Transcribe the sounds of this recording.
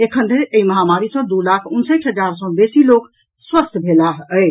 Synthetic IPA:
ekʰənd̪eeiməɦamaɾisə̃d̪ulakʰunseʈɦəd͡ʒaɾsə̃besilok | swəst̪ʰbʱelaɦəɪ

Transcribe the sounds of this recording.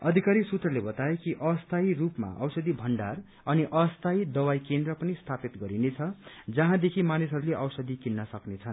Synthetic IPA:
ʌd̪ʱikaɾisut̪rʌlebʌt̪aekiʔʌst̪ʰairupma̰ʔʌwsʌd̪ibʱʌɳɖar | ʌniʔʌst̪ʰaid̪ʌwajkend̪rʌpʌnist̪ʰapit̪ɡʌɾinet͡sʰʌd͡zʌɦãd̪ekʰimanisɦʌɾuleʔʌwsʌd̪ʱikinːʌsʌknet͡sʰʌn

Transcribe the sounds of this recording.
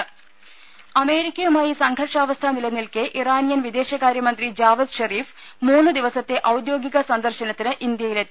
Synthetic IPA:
ɐme̞ːɾikʲːɐjumaːjisɐŋɡʱɐrʈʂaːʋɐst̪ʰɐnilɐnːilkɨʔiraːnijɐnʋid̪e̞ːɕɐɣaːɾjɐmɐnd̪rid͡ʑaːʋɐd̪ɕɐriːf | muːnːɨd̪iʋɐsɐt̪ːe̞ʔɐwud̪jo̞ːɡiɣɐsɐnd̪ɐrɕɐnɐt̪ːinɨʔind̪jɐjile

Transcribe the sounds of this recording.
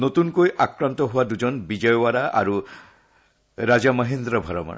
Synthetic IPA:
notunkojʔakɹant̪ɔɦʊwaduzɔnbid͡ʒɔjwaɹaʔa̰ɹu | ɹazamaɦend̪ɾɔbʱɔɹɔma̰

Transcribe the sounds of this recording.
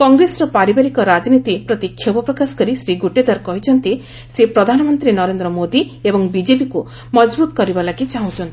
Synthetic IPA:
kɔŋɡɾesɔɾɔpaɾibaɾikɔɾad͡ʒɔnit̪ipɾɔt̪ikʰːjobɔpɾɔkasɔ̥kɔɾisɾiɡuʈed̪aɾkɔɦit͡ʃʰɔnt̪i | sepɾɔd̪ʱanɔmɔnt̪ɾinɔɾend̪ɾɔmod̪iebɔŋbid͡ʒepiku | mɔd͡ʒbut̪ɔkɔɾibalakit͡ʃaɦũt͡ʃʰɔnt̪i̥

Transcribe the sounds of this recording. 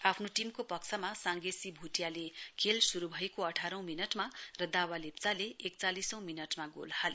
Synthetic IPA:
apʰnoʈimkopʌksʰʌmasaŋɡesibʱuʈjalekʰelsuɾubʱʌjekoʌʈʰaɾʌ̃w̃minʌʈmarʌd̪awalep̚t͡saleek̚t͡salisʌ̃w̃minʌʈmaɡo̰lhale

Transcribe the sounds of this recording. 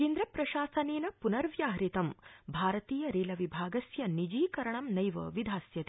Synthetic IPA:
keːnd̪ɾɐpɾɐʃaːsɐneːnɐpunɐɾʋjaːɦɾit̪ɐmbʱaːɾɐt̪iːjɐɾeːlɐʋibʱaːɡɐsjɐnid͡ʒiːkɐɾɐɳɐmnɐjʋɐ̰ʋid̪ʱaːsjɐt̪i

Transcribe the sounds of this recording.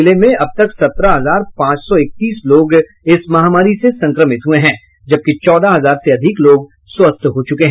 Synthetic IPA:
ɪlemẽʔɐb̚t̪ɐksɐt̪ɾaɦɐzaːɾpãːt͡ʃsɔɪk̚t̪iːsloːɡ | ɪsmɐɦaːmaːɾisesɐ̃ŋkɾəmɪt̪ɦueɦɛ̃ː | d͡ʒɐb̚kit͡ʃɔːd̪aɦɐzaːɾseɐd̪ʱɪkloːɡ | swɐst̪ʰɦot͡ʃʊkeɦɛ̃ː

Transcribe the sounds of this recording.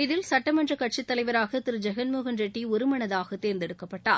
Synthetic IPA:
ɪðɪlsɐʈːɐmɐndrɐkɐʈ̚t͡ʃit̪ːɐlɐɪʋɐɾaːɣɐt̪ɪɾɯd͡ʒɛɣɐnmuːɣɐnd͡ʒɛʈːiɔɾɯmɐɳɐðaːɣɐt̪eːɾnd̪ɛɽɯkːɐpːɐʈːa̰ːɾ

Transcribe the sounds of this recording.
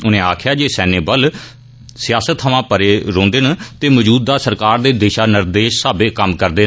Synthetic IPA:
ʊnẽːaːkʰjaːd͡ʒeːsɛːneːbəl | sɪjaːsət̪ʰːəʋãːpəɾeːɾõːnd̪eːnt̪eːməd͡ʒuːd̪ːaːsəɾkaːɾd̪eːd̪eːʃaːnɪɾd̪eːʃsaːbeːkəmkəɾd̪eː

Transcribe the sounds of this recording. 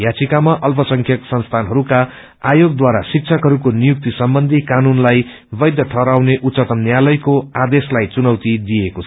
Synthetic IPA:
jat͡sikamaʔʌlpʌsʌŋkʰjʌksʌnst̪ʰanɦʌɾuka | ajoɡ̚d̪waɾasik̚t͡sʰʌkɦʌɾukonijuk̚t̪isʌmbʌnd̪ʱikanunlaj | bʌjd̪jʌʈʰʌɾawneʔutt͡sʌt̪ʌmnjalʌjkoad̪eslajt͡sunʌwt̪id̪ijekot͡sʰ

